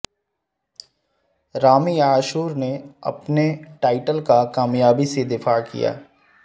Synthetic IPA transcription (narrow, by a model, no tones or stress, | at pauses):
ɾaːmiaːʃuːɾneɐ̰pneʈaːɪʈəlkakaːmjaːbised̪ɪfaːkḭja̰ː